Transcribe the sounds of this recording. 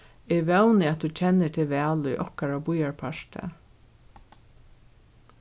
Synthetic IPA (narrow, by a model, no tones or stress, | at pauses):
ɛʋɛwnɪat̪̚ut͡ɕʰɛnːɪt̪ʰɪlʋɛːlʊjʔɔ̰hkaɾabʊjaɹpʰaʂt̪ə̰